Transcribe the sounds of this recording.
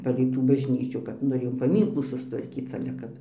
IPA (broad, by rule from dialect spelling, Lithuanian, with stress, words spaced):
ˈpɑːlʲɛɪ tuː bɐʒʲˈnʲiːt͡ʃʲuː kɐt ˈnʊ jɛʊ pɐˈmʲiːŋklˠuː sʊstʋɐrʲˈkʲiːt͡s oː ˈkɐt